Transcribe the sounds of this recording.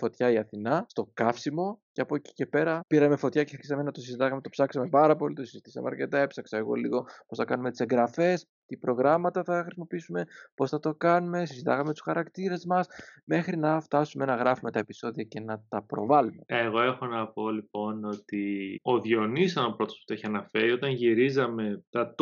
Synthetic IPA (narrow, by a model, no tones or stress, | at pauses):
fo̞t̪çɐiɐθinɐst̪o̞kɐfsimo̞ceɐpoci̥ce̞pe̞ɾɐpiɾɐme̞fo̞t̪çɐcexɾçisɐmenɐt̪o̞sizit̪ɐɣɐme̞t̪o̞psɐksɐme̞pɐɾɐpo̞lit̪osizit̪isɐ̰mḛɐɾce̞t̪ɐepsɐksɐeɣo̞̰lḭɣo̞po̞sθɐkɐnumet̪ise̞ŋɡɾɐfe̞s | t̪ipɾo̞ɣɾɐmɐt̪ɐθɐxɾisimo̞piisume̞po̞sθɐt̪o̞kɐnume̞sizit̪ɐɣɐmet̪u̥sxɐɾɐkt̪iɾe̞zmɐsme̞xɾinɐft̪ɐsume̞nɐɣɾɐfume̞t̪ɐe̞pi̥so̞ðiɐce̞nɐt̪ɐpɾo̞̰vɐlume̞eɣo̞e̞xo̞nɐpo̞lipo̞no̞t̪ioðjo̞nisɐnopɾo̞t̪osput̪oeçiɐnɐfeɾiot̪ɐnʝiɾizɐme̞t̪ɐt̪